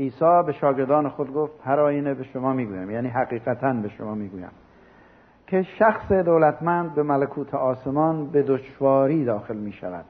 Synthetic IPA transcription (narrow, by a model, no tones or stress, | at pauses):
ʔiːsɒːbe̞ʃɒːɡe̞ɾd̪ɒːne̞xo̞d̪̚ɡo̞ft̪hæɾɒːjiːnebe̞ʃomɒːmiːɡuːjæmjæːniːɦæɣiːɣæt̪ʰænbe̞ʃomɒːmiːɡuːjæ̰m | kʰe̞ʃæxsed̪owlæt̪ʰmænd̪̚be̞mælækʰuːt̪ʰeɒːse̞mɒːnbe̞d̪oʃvɒːɾiːd̪ɒːxe̞lmiːʃæ̰væ̰d̪̥